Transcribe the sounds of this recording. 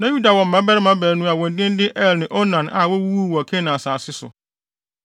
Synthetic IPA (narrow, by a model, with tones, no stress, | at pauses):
nã˦ju˦da˨wɔ̃˨m̩˨mã˦bɛ˦ɾɪ˦mã˦bæː˨nũ˦a˨wɔ̃˨n˨dɪ̃˦n˦dɪ˦ʔɛ˦lnɪ̃˨ʔɔ˦nã˨na˨wɔ˦wu˦wu˦˨wɔ˨kʰɛ̃˦nã˨a˨saː˨sɪ˦sʊ̰˨